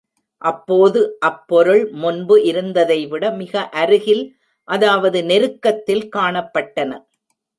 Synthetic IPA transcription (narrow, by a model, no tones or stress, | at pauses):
ʔɐpːoːðɯʔɐpːɔɾɯɭmʊnbɯʔɪɾɯnd̪ɐðɐɪʋɪɽɐmɪɣɐʔɐɾɯɣɪl | ʔɐðaːʋɐðɯnɛɾɯkːɐt̪ːɪlkaːɳɐpːɐʈːɐnɐ